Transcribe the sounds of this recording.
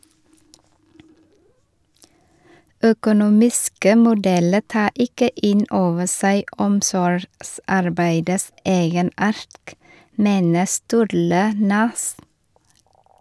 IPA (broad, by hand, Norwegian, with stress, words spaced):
œkʊˈnuːmɪskə mʊˈdɛlə ˈtɑː ˈɪkə ˈɪn ˈoːʋə ˈsæɪ ˈɔmsɔɾɡˌsɑɾbæɪdəs ˈeːɡəˌnɑːɾt ˈmeːnə ˈstʉːɾlə ˈnʉs